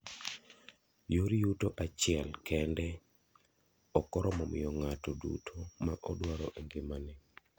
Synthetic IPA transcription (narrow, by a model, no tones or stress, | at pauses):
joɾijutoʔat͡ʃɪɛlkɛndɛ | ɔkɔɾɔmɔmɪ̰jɔŋatɔdṵtʰomaʔɔdwaɾɔʔeŋɡɪmanɛ